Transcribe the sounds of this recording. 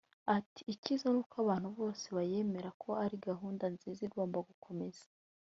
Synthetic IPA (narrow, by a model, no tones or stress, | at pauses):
ati̥ːcizonuːkaβaːn̥huβo̞ːse̞βaje̞me̞ɾakʰo̞aɾiɡaɦuːndanziziɾɡoːmbaɡukʰo̞me̞z̥ḁ